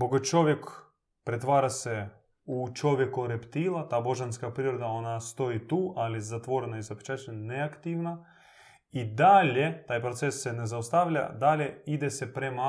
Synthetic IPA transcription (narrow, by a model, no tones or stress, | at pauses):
boɡot͡ʃo̞ʋjek | pɾet̪ʋaːɾase | ut͡ʃo̞ʋjekoɾept̪ilˠat̪aːbo̞ʒanskapɾiɾod̪ao̞nast̪o̞it̪uːʔalizat̪ʋo̞ɾenaizape̥t͡ʃaːt͡ɕneakt̪iʋna | id̪alʲet̪aːjpɾot̪sesːenezaost̪aʋʎʲa̰d̪alʲeid̪esepɾema